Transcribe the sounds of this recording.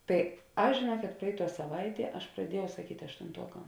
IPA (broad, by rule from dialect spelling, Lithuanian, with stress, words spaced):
ˈtɐɪ ˈɐʃ ʒʲeːˈnuɔkʲɛt ˈprɐɪˌtuɔ sɐˈʋɐɪˌtʲiɛ ˈɐʃ prɐˈdʲiɛˌjɛʊ sɐˈkʲiːtʲ ɐʃtʊnˈtuɔkɐm